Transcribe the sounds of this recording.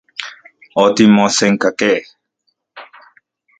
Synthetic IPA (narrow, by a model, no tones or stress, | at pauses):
ɔt̪imɔ̃sɛŋkakɛ